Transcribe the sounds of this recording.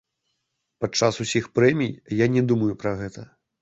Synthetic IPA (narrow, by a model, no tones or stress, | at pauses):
pat͡ʂasusʲixpɾɛmʲijjanʲɛd̪umɐjupɾɐɣɛt̪ɐ